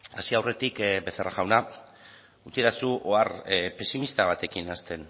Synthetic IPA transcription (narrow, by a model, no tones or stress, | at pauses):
a̰siawre̞t̪ikbe̞θeraɣawna | ut͡siðasuʔoarpe̞simist̪aβ̞at̪e̞kinast̪e̞n